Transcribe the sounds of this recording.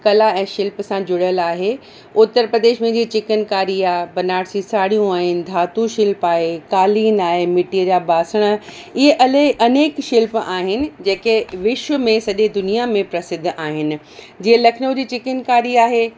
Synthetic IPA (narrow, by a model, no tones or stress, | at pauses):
kɐlaɛ̃ːʃɪlpsãd͡ʑʊɽəlaːɦe | ʊt̪ːəɾpɾəd̪eːʃmẽd͡ʑiːt͡ɕɪkənkaːɾiaːɦbɐnaːɽsisaːɽijũaːɦɪnɪ̆d̪ʱaːt̪ũʃɪlpaːɦekaːliːnaːɦemɪʈiəd͡ʑaːbaːsəɽ̃ə | ɪɦeʔɐleʔɐneːkʃɪlpaːɦɪnɪ̆d͡ʑeːkeʋɪʃʋəmẽsɐʄed̪ʊnijamẽpɾɐsɪd̪ʱːaːɦɪnɪ̆ | d͡ʑiːelɐkʰɪnod͡ʑiːt͡ɕɪkənkaːɾiaːɦeː